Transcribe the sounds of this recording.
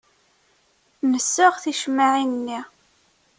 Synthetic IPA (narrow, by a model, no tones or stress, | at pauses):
nəsːəʁθiʃmːaʕinːi